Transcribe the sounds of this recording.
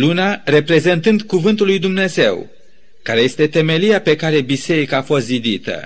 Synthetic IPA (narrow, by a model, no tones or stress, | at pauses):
lunare̞pɾe̞ze̞nt̪ɨnd̪kuvɨnt̪ulːujd̪umne̞ze̞w | kaɾe̞je̞st̪e̞t̪e̞me̞liape̞kaɾe̞bise̞ɾikaːfo̞st̪zid̪it̪ə̰